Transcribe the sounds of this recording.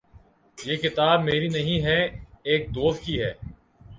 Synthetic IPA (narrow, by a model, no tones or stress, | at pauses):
jeːkɪt̪aːb̚meːɾinɐɦĩɦɛeːk̚d̪oːst̪̚kiɦɛː